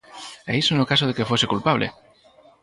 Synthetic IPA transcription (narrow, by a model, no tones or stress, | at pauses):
eisonokas̬oð̞e̞kefwo̞sekulpaβ̞lʔḛ